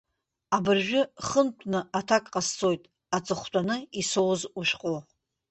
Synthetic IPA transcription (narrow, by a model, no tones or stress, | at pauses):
abɨrʒᶣʊχəntʷʰnɨʔatʰakʼqʼast͡sʰʼo̞jtʼ | at͡sʼɨχʷtʷʼanɨiso̞wzuʃqʼo